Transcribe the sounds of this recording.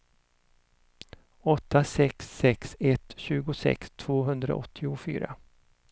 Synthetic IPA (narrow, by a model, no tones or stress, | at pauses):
ɔt̪ːasɛksːɛksɛt̪ɕʉ̟ːɡʊsɛ̰kst̪ʰv̥oːɦɵnd̪ɾa̰ʔɔt̪ʰːɪʊfy̰ːɾa̰